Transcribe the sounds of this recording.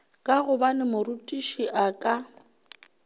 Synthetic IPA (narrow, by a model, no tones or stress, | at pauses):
kʼaɣʊbanɪmʊɾutʼiʃiʔakʼa